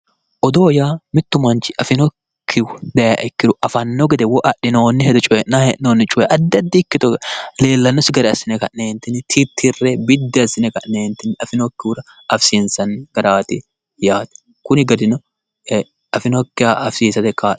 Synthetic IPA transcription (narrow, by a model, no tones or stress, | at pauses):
ʔɔd̪o̞ːjaːmɪt̪ːʊmɐnt͡ʃɪʔɐfɪnɔkkkʰːɪwd̪ɐjaʔɛkːɪd̪ʊʔɐfɐnːɔɡɛd̪ɛwɔʔɐɗːɪnoːnːɪhɛd̪ɔt͡ʃʼʊɛnahɛʔnoːnːɪt͡ʃʼʊjɛʔɐd̪ːɐd̪ːɪɪkːɪt̪ɔle̞ːlːɐnːɔsɪɡɐɾɛɐsːɪnɛkɐneːnt̪ːɪnɪt̪ʰɪt̪ʰːɪrːɛbɪd̪ːɪɐsːɪnɛkɐʔneːnt̪ːɪnɪɐfɪnɔkːɪɾɐ | ɐfsɪnsɐnɡ̥ɐɾaːt̪ɪ | jaːt̪ɛ̥ | kʊnɪɡɐd̪ɪnɔ | ɐfɪnɔkːɪjaːɐfsiːsɐt̪ɛkːaː